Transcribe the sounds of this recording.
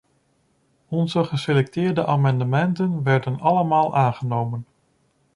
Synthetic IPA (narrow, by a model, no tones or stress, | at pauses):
ɔnzəχəselɛk̚tɪːɹdəʔaːmɑndəmɛntənʋɛɹdənɑləmaːlˠʔaːnχənowmən